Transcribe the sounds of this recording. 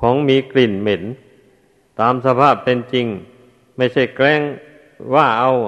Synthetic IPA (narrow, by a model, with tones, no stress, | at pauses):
kʰɔː˩˦ŋmiː˧kli˨˩nme˩˦n | t̪aː˨˧msa˧pʰaː˥˩pːe˧nt͡ɕi˧ŋ | ma˥˩jt͡ɕʰa˥˩jklɛː˥˩ŋ | waː˧˥˩ʔa˧w